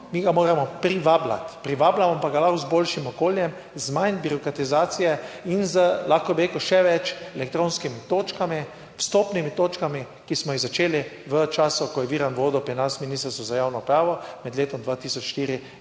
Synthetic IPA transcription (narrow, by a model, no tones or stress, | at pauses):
miːɡamoːɾamɔpɾiʋaːbla̰t̪pɾiʋaːblamɔpaɡalaxzbolʃimɔkoːljɛm | zmajnbiɾɔkɾat̪izaːt̪sijɛinzəlaxkɔbiɾeːkʊʃɛʋɛt͡ʃɛlɛk̚t̪ɾõːnskimit̪oːt͡ʃkami | st̪oːpnimit̪oːt͡ʃkami | kismɔjizat͡ʃeːliʋət͡ʃaːsɔkɔjɛʋiːɾanʋoːd̪ɔpɾinasminist̪əɾsɔzajaːwnɔpɾaːʋɔmɛd̪leːt̪ɔmd̪ʋat̪iːsɔt͡ʃʃt̪iːɾi